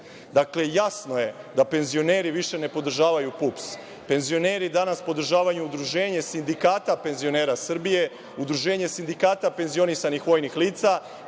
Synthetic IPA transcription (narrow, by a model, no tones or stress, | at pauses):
d̪akle̞jasno̞je̞d̪ape̞nzio̞neːɾiʋiʃe̞ne̞po̞d̪r̩ʒaːʋajupups | pe̞nzio̞ne̞ːɾid̪anaspo̞d̪r̩ʒaːʋajuud̪ɾuʒe̞ːɲe̞sind̪ikaːt̪ape̞nzio̞ne̞ːɾasr̩bije̞ | ud̪ɾuʒe̞ːɲe̞sind̪ikaːt̪ape̞nzio̞nisanixʋo̞ːjnixliːt̪sa